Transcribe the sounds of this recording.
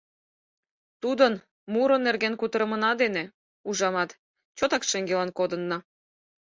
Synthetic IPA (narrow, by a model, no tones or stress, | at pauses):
t̪ud̪ən | muɾə̆nːerɣenkut̪əɾəmənɑd̪ene | uʒɑmɑt̪ | t͡ɕot̪ɑkʃeŋɡelɑnkod̪ənːɑ